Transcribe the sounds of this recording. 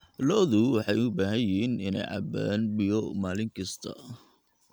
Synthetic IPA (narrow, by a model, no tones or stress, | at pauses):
lɔðʊwɑħɑjʊbaːɦɐjɪiːnɪnɛ̰jʕɑ̰baːnbɪjɔmaːlɪŋkʰɐst̪ʰɐ̰